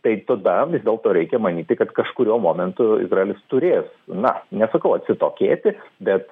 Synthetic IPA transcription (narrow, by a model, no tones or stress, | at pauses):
t̪ɐɪt̪ɐd̪ɐʋʲɪzd̪ʲeːlˠt̪oːɾʲɛɪkʲɛmɐnʲiːt̪ʲɪkɐt̪kɐʃkʊɾʲuɔmoːmʲɛnt̪ʊɪ̰zraeːlʲɪst̪ʊɾʲeːsnɐnʲɛsɐkɐʊɐt̪ʲsʲɪt̪oːkʲeːt̪ʲɪbʲɛt̪